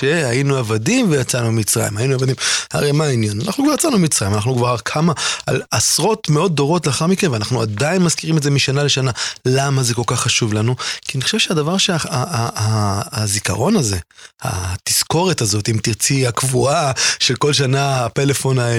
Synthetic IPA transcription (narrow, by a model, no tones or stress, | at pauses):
ʃehainuavadimvejat͡sanuemit͡sʁa̰jḭmhainuavad̪imha̰ʁejmaːinjananaχnukvaʁjat͡sanumit͡sʁaimanaχnukvaʁaʁkʰamaa̰lasʁo̞t̪meo̞t̚dːo̞ʁo̞tleaχaʁmikenveanaχnuadainmazkiʁime̞tze̞miʃanale̞ʃanalamazeko̞lkaχːaʃuvlanukianiχo̥ʃevʃeadavaʁʃeaaaːzika̰ʁo̞naze̞ha̰tisko̞ʁet̪azo̞t̪imt̪iʁt͡siakvuaʃe̞lko̞lʃanahatele̞fo̞nae